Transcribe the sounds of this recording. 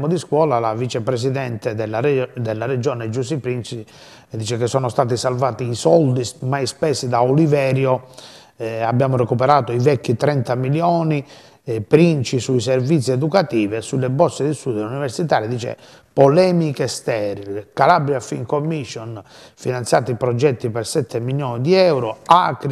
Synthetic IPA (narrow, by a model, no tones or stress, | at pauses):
mod̪iskwɔːlalavit͡ʃɛpɾes̬iðɛnt̪ɛd̪ɛlːad̪ɛlːarɛd͡ʒɔːnɛd͡ʒusipɾint͡ʃi | d̪iːt͡ʃɛkesːɔːnɔst̪aːt̪isalvaːt̪iːsɔld̪ismajspɛsːid̪aolivɛːɾjɔ | abːjaːmɔrɛkupɛɾaːt̪oivɛkːit̪ɾɛnt̪amiljɔːni | pɾint͡ʃisuiservit̪sːiɛd̪ukat̪iːvɛsulːɛbɔsːed̪ist̪uːd̪univɛɾsit̪aːɾid̪iːt͡ʃɛ̰ | pɔlɛmikest̪ɛːɾilekalabɾjafḭŋkomːiʃːɔn | finant̪sja̰ːt̪ipɾɔd͡ʒɛt̪ːipɛɾsɛt̪ʰːemiljɔːnid̪iɛwɾɔakɾi